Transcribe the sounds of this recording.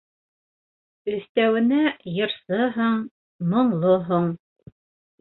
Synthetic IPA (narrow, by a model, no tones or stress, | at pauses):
ɵ̆θt̪æwɘ̆næjɤ̆ɾsɤɦɤɴ | mŏɴlˠoɦoɴ